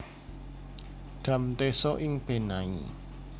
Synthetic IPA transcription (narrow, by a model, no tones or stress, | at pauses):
ɖ̥ä̤mt̪esɔʔɪŋb̥e̤naḭ